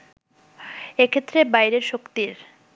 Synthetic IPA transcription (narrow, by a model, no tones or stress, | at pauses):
ekʰet̪ːɾebajɾeɾʃokt̪iɾ